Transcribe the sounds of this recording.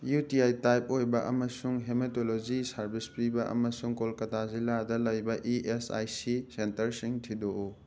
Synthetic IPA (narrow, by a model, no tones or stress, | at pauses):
jutiajtajp̚ojbɐʔɐmɐsuŋɦemetolod͡ʒisɐɾbispɾibɐʔɐ̰mɐsuŋkolkɐtaziladɐlɐjbɐʔiʔesa̰jsisentɐɾsiŋtʰidou